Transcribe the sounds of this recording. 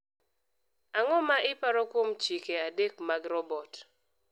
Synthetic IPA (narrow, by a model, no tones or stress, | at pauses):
aŋɔmaʔɪpaɾɔkwomt͡ʃikeadekmaɡɾɔbɔt